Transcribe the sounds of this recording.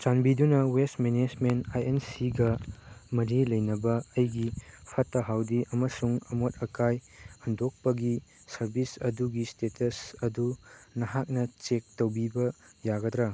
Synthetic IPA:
t͡ʃanbidunɐwestmened͡ʒmentajensiɡɐmɐɾilɐjnɐbɐːjɡipʰɐtːɐɦawdiʔɐmɐsuŋɐmot̚ɐkajɐndok̚pɐɡi | sɐɾbisɐduɡistetʰɐsɐdunɐɦak̚nɐt͡ʃek̚tɐwbibɐjaɡɐdɾɐ

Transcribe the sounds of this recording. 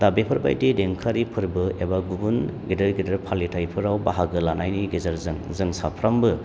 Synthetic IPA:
dabepʰɯɾba̰jdideŋkʰaɾipʰɯɾbɯebaɡubunɡedɯɾɡidɯɾpʰalitʰajpʰɯɾawbaɦaɡɯlanajniɡezaɾzɯŋzɯŋsapʰɾambɯ

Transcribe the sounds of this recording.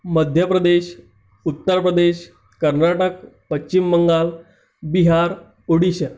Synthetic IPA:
məd̪ʱjəpɾəd̪eɕ | ut̪ːəɾpɾəd̪eɕ | kəɾnaʈəkpət͡ɕt͡ɕimːəŋɡaːl | biɦaɾ | oɽiɕə

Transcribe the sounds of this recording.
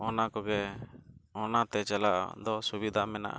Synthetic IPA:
ɔnakɔɡɛ | ɔnat̪ɛt͡ʃɛlaʔd̪ɔsubid̪ʱamɛna̰ʔa̰

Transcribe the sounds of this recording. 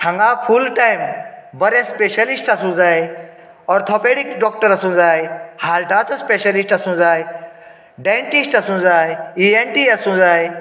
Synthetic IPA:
hʰɐ̃ŋɡaːpʰulʈajmbɐɾẽspeʃɐlisʈɐsũd͡zaːj | ɔɾt̪ʰoːpeːɽikɖɔːk̚ʈəɾɐsũd͡zaːjhaːlʈaːt͡sɐspeʃɐlisʈɐsũd͡zaːj | ɖeɳʈisʈɐsũd͡zaːjienʈiɐsũd͡zaːj

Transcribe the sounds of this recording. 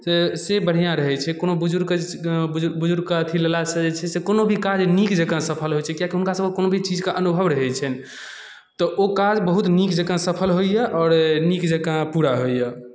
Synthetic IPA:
sesebəɽ̤ijãɾəɦɛt͡ʃʰɛkonobud͡ʒuɾ | bud͡ʒuɾɡkaət̪ʰilelasə̃d͡ʒet͡ʃʰɛsekonobʱikad͡ʒnikd͡ʒəkãsəpʰəlɦojt͡ʃʰɛkijakiɦunkasəbkkːonobʱit͡ʃid͡ʒkaʔənubʱəʋɾəɦɛt͡ʃʰɛn | t̪ɔʔokad͡ʒbəɦut̪nikd͡ʒəkãsəpʰəlɦojjɛʔɔːɾnikd͡ʒəkãpuɾaɦojjə

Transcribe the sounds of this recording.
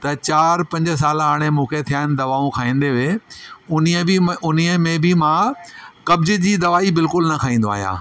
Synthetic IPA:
t̪ɐt͡ɕaːɾpɐ̃ɲd͡ʑs̬aːlɦaːɽ̃emũːkʰet̪ʰijaːɪnɪd̪ɐʋaːõkʰaːĩːn̆d̪eʋeʊniəɪʊniəmẽbɪmãkɐbd͡ʑɪ̆d͡ʑiːd̪ɐʋaːibɪlkʊlnɐkʰaːĩːnd̪oa̰ːɦija̰ː

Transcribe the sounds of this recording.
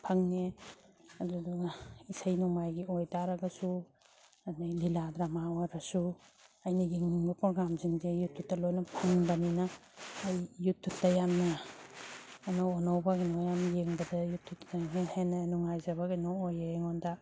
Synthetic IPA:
pʰɐŋne | ɐduduɡaisajnuŋajɡiɔjtaɾaɡɐsu | anajliladɾamawaɾasuajnɐjeŋbɐpɔɡamziŋzejutʰːutːɐlojnɐpʰɐŋbɐninɐːjːutʰːutːɐjamnɐ | nɔɔnawbaɡinɔjamjeŋbɐdɐjutʰːutaɦenhenanuŋajzɐbaɡinɔːjeeŋɔnda

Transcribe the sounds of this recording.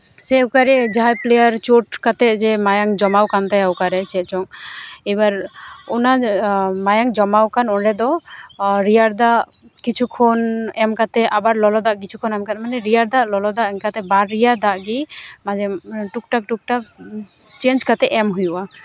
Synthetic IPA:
sɛukaɾɛd͡ʒɦajplejaɾt͡ʃoʈkat̪ɛd͡ʒɛmajaŋd͡ʒɔmawkant̪ajawkaɾɛt͡ʃɛt͡ʃɔŋɛbaɾɔnamajaŋd͡ʒɔmawkanɔɳɖɛd̪ɔ | ɾijaɾd̪aʔ | kit͡ʃʰukʰɔnɛmkat̪ɛʔabaɾlɔlɔd̪aʔkit͡ʃʰukʰɔnɛmkat̪manɛɾijaɾd̪aʔlɔlɔd̪aʔɛŋkat̪ɛbaɾːijaɾd̪aʔɡimad͡ʒɛʈuk̚ʈak̚ʈuk̚ʈak̚ | t͡ʃend͡ʒkat̪ɛʔɛmɦujuʔa

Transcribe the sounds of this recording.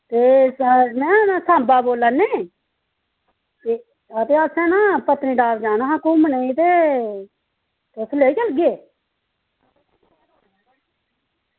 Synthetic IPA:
t̪eːmɛ̃ːnaːsãːmbaːboːlːaːneː | t̪e | at̪eːasɛ̃ːnaːpət̪ːɾĩːɖaːʋd͡ʒaːnaːɦaːkuməneit̪eː | t̪esleːt͡ʃəlɡeː

